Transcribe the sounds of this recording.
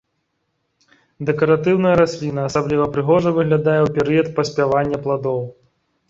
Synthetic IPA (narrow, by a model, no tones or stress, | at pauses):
d̪ɛkɐɾat̪ɨwnɐjɐɾasʲlʲin̪ɐːsablʲivɐpɾɨɣɔʐɐvɨɣlʲad̪ajɛwpʲɛɾɨjɐt̪̚pɐsʲpʲavanʲːɐplˠad̪ɔw